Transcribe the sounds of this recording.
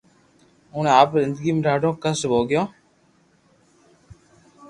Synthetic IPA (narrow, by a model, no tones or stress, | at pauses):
ʊɳẽaːpzɪ̃nd̪əɡiːmẽɾaːɖõːkəsbʱoːɡɪjõː